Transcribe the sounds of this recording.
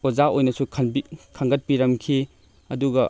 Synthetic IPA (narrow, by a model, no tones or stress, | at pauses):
ozaojnɐsukʰɐnbikʰɐŋɡɐt̚piɾɐmkʰi | ɐduɡɐ